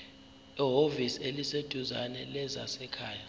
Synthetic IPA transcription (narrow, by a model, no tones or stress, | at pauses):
iɦoviselised̥ʱuza̰nɛlɛza̰sɛkʰaːja